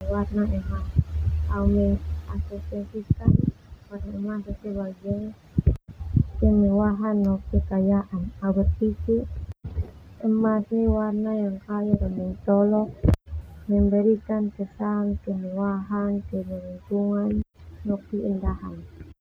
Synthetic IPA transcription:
warnaʔɛmaaumɛŋasɛsɛsikanwarnaɛmasasɛbaɡɛŋ | kɛmɛwaɦanːɔkːɛkajaʔanawɛt̪̚piki | ɛmasniwarnajaŋkajudɔmɛŋt͡ʃ̪ɔlɔk̚ | mɛŋbɛɾikankɛsaŋkɛmɛwaɦankɛmɛɾunt͡ʃuŋanːɔkːiindaɦa̰n

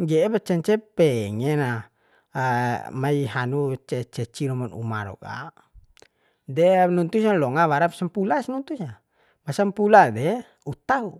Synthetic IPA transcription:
ŋɡɛːpat͡ʃɛnt͡ʃɛpɛŋɛna | maiɦanut͡ʃɛt͡ʃɛt͡ʃiɾɔmɔnṵma̰ɾɔ̰ka̰ | dɛnunt̪us̬alɔŋawaɾapasampulasnunt̪usa | masampuladɛ | ut̪au

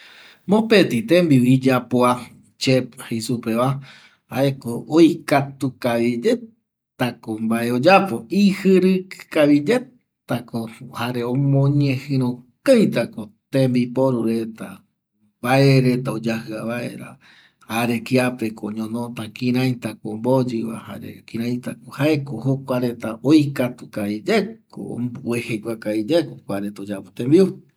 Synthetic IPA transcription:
mõpet̪it̪ẽmbiid͡ʒapoa | t͡ʃep̚hesupeβa | aekoojkat̪ukaβid͡ʒe | t̪akombae̞od͡ʒapo̞ihɨɾɨkaβid͡ʒe̞ | t̪akohaɾeomõɲẽhɨ̃ɾ̃õkajt̪akot̪ẽmbipoɾuɾe̞t̪a | baʔeɾe̞t̪aod͡ʒahɨaβaḛɾa̰ | haɾe̞kiapekooɲõnot̪akĩɾãjt̪akombod͡ʒiβa̰ha̰ɾḛkĩɾãj̃t̪akohaekohokʷaɾe̞t̪aʔojkat̪ukaβid͡ʒekko̰behekʷakaβid͡ʒekokʷaɾet̪aod͡ʒapot̪ẽmbiu

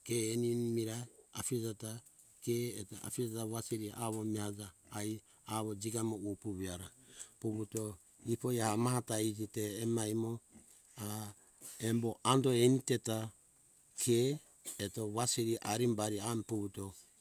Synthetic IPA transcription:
keːnimiɾaa̰pid͡ʒata | keeta̰piaataβasiɾiaβomihad͡ʒaːj | aβod͡ʒiɡamoupuβiaɾapuβuto | ipojahamaɦataid͡ʒiteːmajmo | a | emboʔandoeniteta | kʰeː | toβasiɾiʔaɾimbaɾiampuβuto

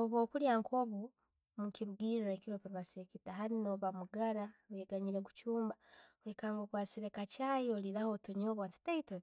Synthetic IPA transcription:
oβoːkuɾjaːŋkʰoːβu | mukiɾuɡiɾɾakiɾokiɾiβasekitaɦaninoβamuɡaɾaβeɡaɲiɾeɡut͡ʃuːmbaβekaːŋɡokwaːseɾekat͡ʃajolilahotuɲoːβwati̥teito

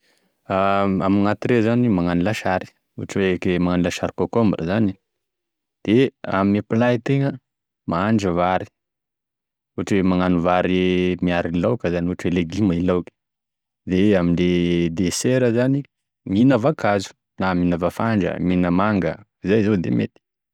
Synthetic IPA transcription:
aamiŋat̪iɾezanimaŋanilaʃaɾi̥ | uaʈ͡ʂwekemaŋanilaʃaɾikokombɾʔə̰zani | d̪̥ea̰mimapilajit̪eŋə | maaɳɖ͡ʐəvaɾi̥ | uaʈ͡ʂwemaŋanuvaɾimiaɾilawkəzanuaʈ͡ʂweleɡimailawkə̥ | d̪eamiɳded̪eseɾəzani | minavakʰazu̥ | naminavafaɳɖ͡ʐə̰minəmaŋɡə̰ | izajzod̪ḛmet̪i̥

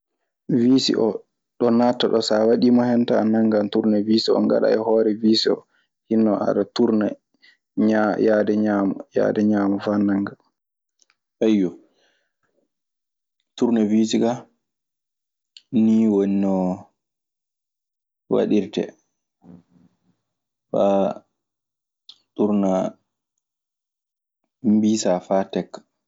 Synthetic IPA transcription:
viːsḭʔɔ | ɗɔnatːaɗɔsawaɗimɔhɛntaːnaŋɡantuɾnɛviːsiɔ̰ŋɡa̰ɗa̰ɛhɔːɾɛviːsiɔ̰ | hinːɔʔa̰ɗatuɾna | ɲajadɛɲamɔja̰ːdɛɲaːmɔfaːnaŋɡa | ʔajːɔ | tuɾnaviːsiɡa | niːwɔnːɔ | wa̰ɗiɾtɛ̰ | fa | tuɾna | mbiːsafaːtɛkːḁ

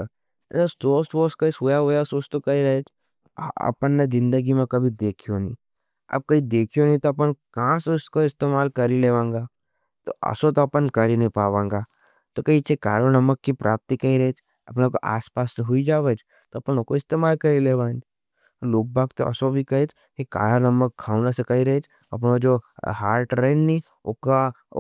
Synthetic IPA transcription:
ɐəsoːsʈʋoːskaɪsɦojaɦojasoːst̪okɐiɾɐɦet͡ʃʰ | ɐ̰pənːezɪ̃nd̪əɡimẽkɐbʱid̪eːkʰijonḭ̃ː | ɐ̰b̚kɐɦid̪eːkʰijonĩt̪oɐp̬ənkaãseʊskoɪst̪eːmaːlkɐɾileːʋãːŋɡaː | t̪o̰ʔɐ̰sot̪oɐpənkɐɾinɐ̃ɦĩpaːʋãːŋɡa | t̪okɐit͡ʃʰekaːɾonɐməkːipɾʔaːp̚t̪ikɐiɾɐet͡ʃʰ | ɐpneko̰ʔa̰ːspaːsːeɦʊid͡ʒaːʋəd͡ʒ | t̪oɐpənʊkoɪst̪eːmaːlkɐɾileːʋãːnd͡ʒ | loːk̚bʱaːkt̪o̰ɐ̰sobʱikɐɦet͡ʃ | keka̰ːɾanɐməkʰːaːʊnasɐkaiɾɐɦet͡ʃ | ɐ̰p̬nod͡ʒoːhaːɾʈɾeːnːi | o̰ka

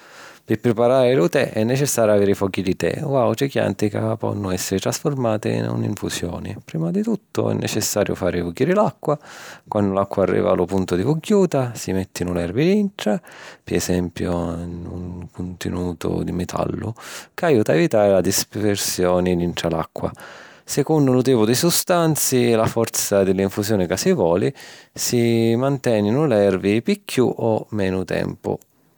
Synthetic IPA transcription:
pɪpːɾɪpaɾaːɾɪlʊt̪ɛʔɛnːɛt͡ʃɛsːaːɾjaveːɾifɔkːid̪it̪ɛ̰wawt̪ɾikja̰nt̪ɪkapɔ̰nːʊɛsːɪɾɪt̪ɾasformaːt̪ɪ̰nṵnḭɱfusjɔ̰ːnɪ̰pɾiːmad̪it̪ut̪ːʊ̰ɛ̰nːʔɛt͡ʃɛsːaːɾjʊ̰faːɾɪfuɡːiːɾɪlakːwakwanːʊlakːwaarːḭːva̰lʊpunt̪ʊd̪ifuɡjuːt̪asimɛt̪ːɪnʊlɛrviinʈ̪ɾapɪɛsɛmpjoṵŋkʊnt̪ɪ̰nuːt̪ʊ̰d̪imɛt̪ʰa̰lːʊ̰kajuːt̪aɛvit̪aːɾɪlad̪ispersjɔːnilinʈɾala̰kːwa̰sɛkond̪ʊlʊt̪̬iːpʊd̪isust̪ant̪silafɔɾt̪sad̪ɪlːiɱfusjɔːnɪkasivwɔːlisimant̪ɛːnɪnʊlɛrvipikʰːuʔɔmːɛːnʊt̪ɛ̰mpʊ̰

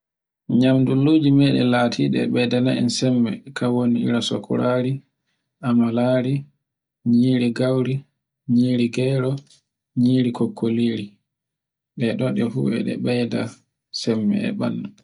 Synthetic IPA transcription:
ɲamduloːd͡ʒimɛɗɛ̰laːtʰiːɗɛ̰ɓɛjdanaʔɛ̰nsɛmːɛ̰kʰawoniḭɾasɔkʰɔ̰ɾaːɾi | ʔamalaːɾi | ɲiːɾiɡawɾi | ɲiːɾiɡɛɾɔ | ɲiːɾikɔkʰːoliːɾi | ɗɛɗɔɗɛhuɛ̰ɗɛ̰ɓɛjda | sɛmːɛ̰ɛ̰ɓa̰nːa

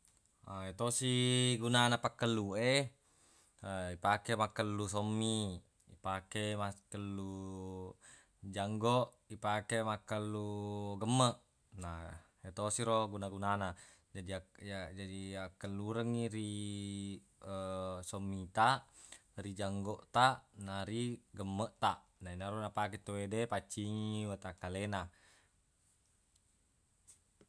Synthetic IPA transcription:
aet̪osiɡunanapakːəlːue | əipakemakːəlːus̬omːi | ipakemakəlːu | d͡ʒaŋɡoʔ | ipakemakːəlːuɡəmːəʔ | na | et̪osiɾoɡunaɡunana | d͡ʒadiaad͡ʒadiakːəlːuɾəŋːiɾi | əsomːit̪aʔrid͡ʒaŋɡoʔt̪aʔnaɾiɡəmːəʔt̪aʔnainaɾunapaket̪owedepat͡ʃːiŋiwat̪akalena

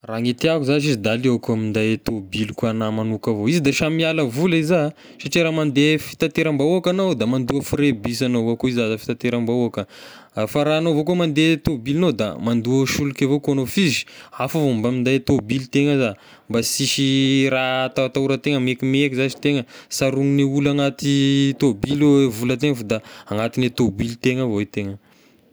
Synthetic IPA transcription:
raŋet̪iakuzat͡ʃizid̪alewakuamind̪ajt̪obilikuanamanukavoizid̪aʃamialəvuliza | saʈ͡ʂiɾamand̪efi̥t̪at̪eɾambauakanowd̪amand̪uəfrebis̬anoakuizazafi̥t̪at̪eɾambauakə | faɾaːnovokumand̪et̪obilinod̪a̰mand̪uəʃulukʲavokoanofizi̥afavombamind̪ajt̪obilit̪eŋəza | mbasiʃiɾat̪awat̪auɾət̪eŋəmekimekizazi̥t̪eŋəsaɾuŋiniulaŋat̪it̪obileevulət̪̬eŋəfod̪aaŋat̪inet̪obilt̪eŋəvoet̪eŋə

